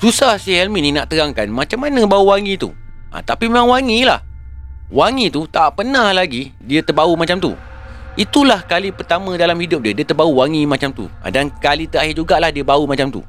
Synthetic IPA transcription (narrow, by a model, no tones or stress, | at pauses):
susahsihɛlmininaʔt̪əɾaŋkanmãt͡ʃamːanãbauwaŋit̪ṵ | ʔa̰t̪apimemãŋwaŋila̰h | waŋit̪ut̪aʔpənãhlaɡi | diət̪ərbaumat͡ʃamt̪ṵ | it̪ulahkalipərt̪amə̃dalamhidʊp̚diədiət̪ərbauwaŋimãt͡ʃamt̪ṵã̰dankalit̪əahɦid͡ʒuɡaʔlahdiəbaumat͡ʃamt̪ṵ